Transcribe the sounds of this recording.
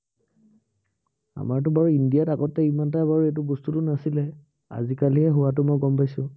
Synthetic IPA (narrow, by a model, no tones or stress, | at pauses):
a̰maɹt̬ʊbaɹuindijataɡɔtːɛimantajbaɹuet̬ʊbostutʊnasilɛ | a̰zikaliɦɛɦʊwat̬ʊmɔjɡɔmpajsʊ̃